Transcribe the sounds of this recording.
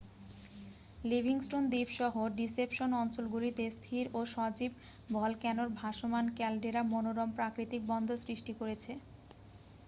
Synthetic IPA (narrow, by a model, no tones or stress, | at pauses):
libʱiŋsʈond̪ibʃɔɦoɖisepʃonɔnt͡ɕolɡuɾit̪est̪ʰiɾoʃɔd͡ʑib̚ | bʱɔlkɛnoɾbʱaʃomankɛlɖeɾamonoɾɔmpɾakɾit̪ik̚bɔnd̪ʱosɾiʃʈikoɾet͡ɕʰe